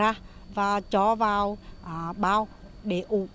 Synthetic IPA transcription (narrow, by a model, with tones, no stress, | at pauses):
aː˧vaː˨˩t͡ɕɔ˧˦vaː˨˩wʔɓaː˧wɗe˧˩ʔu˧˨˩